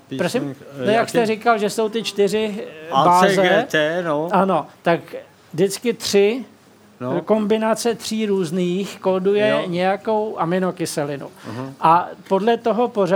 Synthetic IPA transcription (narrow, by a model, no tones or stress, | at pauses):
pɾosɪmojakst̪ɛɾɪkalʒɛso̞wt̪ɪt͡ʃt̪ɪrɪbaːzɛ | ʔano̞t̪ak | dɪt͡skɪt̪r̥ɪ | ko̞mbɪnat͡sɛt̪r̥iːɾuːzniːxkoːdujɛɲɛjako̞wʔamɪno̞kɪsɛlɪnṵʔapo̞dlɛt̪o̞ɦo̞po̞ra